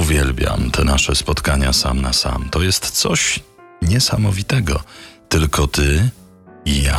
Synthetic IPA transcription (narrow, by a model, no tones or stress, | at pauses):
uvʲjɛlbʲja̰mt̪ʰɛnaʂɛspɔt̪kaɲasamnasa̰mt̪ɔjɛst̪t̪sɔɕ | ɲɛsamɔvʲit̪ɛɡɔt̪ɘlkʰɔt̪ɘ | ija